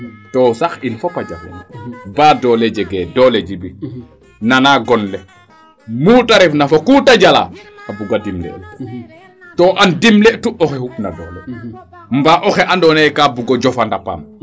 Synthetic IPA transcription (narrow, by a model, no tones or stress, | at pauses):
tɔsaxinfɔpad͡ʒa̰fɛ̰nbaːdɔːlɛd͡ʒɛɡɛːdɔlɛd͡ʒibi | nanaɡɔnlɛ | muːtaɾɛfnafokuːtad͡ʒala̰abuɡadimlɛ̰ | tɔʔandimlɛtuɔxɛhukna̰dɔ̰ːlɛ | mbaʔɔxɛʔandɔnɛkaːbuɡɔd͡ʒɔfandapa̰m